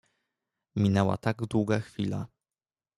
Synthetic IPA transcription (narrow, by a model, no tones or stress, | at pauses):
mʲinɛwa̰t̪aɡd̪wuɡaxfʲila̰